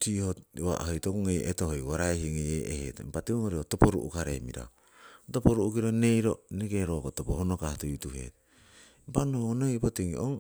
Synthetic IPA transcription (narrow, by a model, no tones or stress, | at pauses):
tihowa̰ʔhojtokuŋejʔetohojɡoɾaehiŋejeʔehḛtmpatiuŋoɾiotopoɾṵʔṵkaɾemḭɾa̰o | topoɾuʔukiɾone̞jɾoneɡeɾokotopohonokahtojutuhe̞̰t | mpanonojpotiŋiʔoŋ